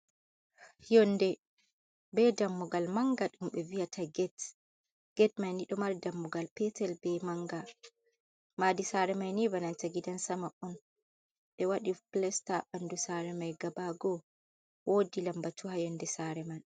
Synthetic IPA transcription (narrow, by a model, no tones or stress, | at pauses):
jɔndɛ | bɛdamːuɡalmaŋɡaɗumɓɛvijatʰaɡɛt | ɡ̥ɛtmajniɗɔmaɾdamːuɡalpɛtɛlbɛmaŋɡa | madisaɾɛmajnibanantaɡidansamaʔɔn | ɗɛwaɗiplɛstaɓandusaɾɛmajɡabaɡɔ | wodilambatuhajɔndɛsaɾɛman